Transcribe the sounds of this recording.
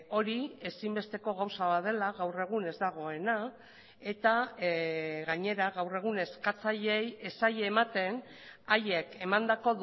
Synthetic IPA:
o̞ɾie̞simbe̞st̪e̞ko̞ɣawsaβaðe̞laɣawre̞ɣ̞une̞zd̪aɣ̞o̞e̞na | e̞t̪a | ɣaɲe̞ɾaɣawre̞ɣ̞une̞skat͡saʎeejesaʎe̞ːmat̪e̞n | aje̞ke̞mand̪ako̞ð

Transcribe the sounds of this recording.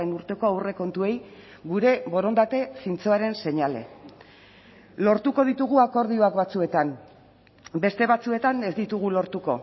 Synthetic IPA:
enuɾt̪e̞ko̞awre̞ko̞nt̪ue̞j | ɡuɾe̞βo̞ɾo̞nd̪at̪e̞sint͡soaɾe̞nse̞ɲale̞̰ | lo̞ɾt̪uko̞ð̞it̪uɣ̞uako̞ɾðio̞akβat͡sue̞t̪am | be̞st̪e̞βat͡sue̞t̪ane̞zd̪it̪uɣ̞ulo̞ɾt̪uko̞̰

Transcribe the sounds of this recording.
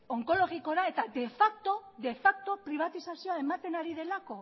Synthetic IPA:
o̞ŋko̞lo̞ɣiko̞ɾae̞t̪ad̪e̞fak̚t̪o̞ðe̞fak̚t̪o̞pɾiβ̞at̪isasio̞aemat̪e̞naɾiðe̞lako̞

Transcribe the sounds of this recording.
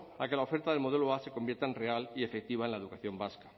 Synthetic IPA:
ake̞laofe̞ɾt̪aðelmo̞ðe̞loase̞ko̞mbje̞ɾt̪aenrealiefek̚t̪iβaenlaeukaθjo̞mbaskḁ

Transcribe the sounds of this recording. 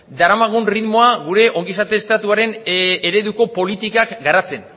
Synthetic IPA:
d̪aɾamaɣ̞unriðmo̞aɣuɾe̞ʔo̞ŋɡisat̪eːst̪at̪uaɾe̞ne̞ɾe̞ðuko̞po̞lit̪ikakɡaɾat͡se̞n

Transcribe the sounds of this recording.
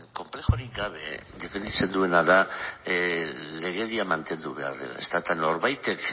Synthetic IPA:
ko̞mple̞xoɾiɡaβe̞d̪e̞fe̞nd̪it͡se̞nd̪ue̞naða | le̞ɣ̞e̞ðiamant̪e̞nd̪uβe̞a̰ɾðḛla̰e̞̰st̪aet̪ano̞ɾβajt̪e̞k

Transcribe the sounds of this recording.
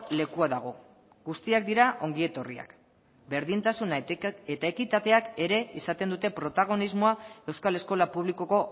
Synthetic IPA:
le̞kuaðaɣ̞o̞ | ɡust̪iak̚d̪iɾaʔo̞ŋɡie̞t̪o̞ria̰k | be̞ɾðint̪asune̞t̪ae̞kit̪at̪e̞ake̞ɾe̞isat̪e̞nd̪ut̪e̞pɾo̞t̪aɣ̞o̞nizmo̞ae̞wskale̞sko̞lapuβliko̞ko̞

